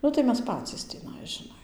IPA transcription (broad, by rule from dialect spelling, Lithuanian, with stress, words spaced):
ˈnʊ tɐɪ ˈmʲɛs ˈpɑːt͡sʲiːs tʲiːˈnɐɪ ʒʲɪˈnɐɪ